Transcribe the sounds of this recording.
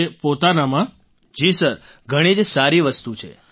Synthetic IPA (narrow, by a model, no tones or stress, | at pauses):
epot̪anamã | d͡ʒisəɾ | ɡʱəɽ̃id͡ʒsaɾiʋəst̪ut͡ʃʰḛ